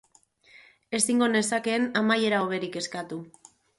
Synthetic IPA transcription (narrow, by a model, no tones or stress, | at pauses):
e̞siŋɡo̞ne̞sake̞namaje̞ɾaoβ̞e̞ɾike̞skat̪u